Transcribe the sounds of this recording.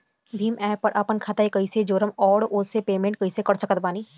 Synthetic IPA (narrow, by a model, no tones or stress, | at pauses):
bʱiːmɛːpːɐɾʔaːpənkʰaːt̪aːikɐised͡ʒoːɾəmɔːɽʊepeːmẽːɳʈ̚kɐisekɐɾt͡ʃəkət̪baːniː